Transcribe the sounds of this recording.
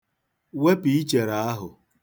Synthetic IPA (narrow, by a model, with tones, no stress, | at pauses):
we˦pi˨i˦t͡ʃe˨ɾa˨a˦ɦʊ̰˨